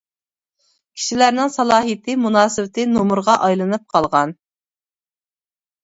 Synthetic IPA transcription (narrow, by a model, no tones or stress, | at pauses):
kʲʰi̥ʃilæɾnɪŋsɑlˠɑːɦɨjt̪ʰɪmunɑːsɨwɪt̪ʰɪnomuɾʁɑʔɑjlˠɨnɨp̚qʰɑlˠʁɑn